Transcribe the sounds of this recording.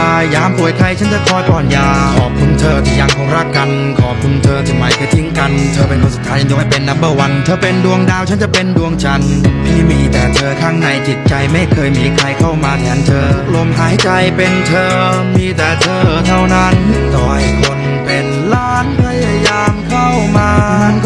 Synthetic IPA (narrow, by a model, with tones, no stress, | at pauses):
a˧jaː˧mpu˨˩əjkʰa˧jt͡ɕʰa˦˥nt͡ɕa˨˩kʰɔː˧˩jkɔː˨˩njaː˧kkʰɔː˨˩p̚kʰu˧nt̪ʰɤː˧t̪ʰiː˧˩ja˧ŋkʰo˧ŋɾa˥˩kːa˧n | kʰɔː˨˩p̚kʰu˧nt̪ʰɤː˧t̪ʰi˧˩ma˨˧˩jkʰːt̪ʰi˦˥ŋka˧nt̪ʰɤː˧pe˧nkʰoː˧˥su˨˩t̪ʰːaː˦˥jt͡ɕa˧jt͡ɕːŋha˥˩pe˧nːa˦˥mbɯ˧˩wa˧nt̪ʰɤː˧pe˧ndu˧əŋdaː˧wt͡ɕʰa˦˥nt͡ɕa˨˩pe˧ndu˧əŋt͡ɕa˧npʰiː˥˩miː˧t̪ɛː˨˩t̪ʰɤː˧kʰaː˥˩ŋna˧˩jt͡ɕi˨˩t̪̚t͡ɕa˧jma˥˩jkʰɤː˧jmiː˧kʰɾa˧jkʰa˥˩wmaː˧t̪ʰɛː˩˦nt̪ʰɤː˧lo˧mɦaː˨˦jjt͡ɕa˧jpe˧nt̪ʰɤː˧miː˧t̪ɛː˨˩t̪ʰɤː˧t̪ʰa˥˩wna˦˥nt̪ɔː˨˩jkʰo˧n | pe˧n | laː˦˥npʰa˧ja˧jaː˧mkʰa˥˩wmaː˧na˧˥˩n